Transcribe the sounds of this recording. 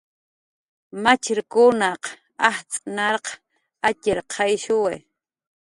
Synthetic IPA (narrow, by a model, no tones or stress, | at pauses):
mat͡ʃɪɾkʊnaq | aht͡sʼnɑɾq | acɪɾqʰɑjʃʊwḛ